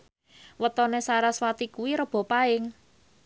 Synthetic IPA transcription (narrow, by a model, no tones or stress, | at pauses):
wət̪ɔnesaɾaswat̪ikuwiɾəb̥ɔ̤paɪŋ